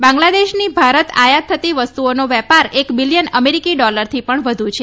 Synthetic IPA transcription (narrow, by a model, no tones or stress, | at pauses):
bãŋɡlad̪eʃnibʱaɾət̪a̰jat̪ʰːət̪iʋəst̪uonoʋɛpaɾekbilijənəmeɾikiɖɔləɾt̪ʰipəɳʋəd̪ʱũt͡ʃʰe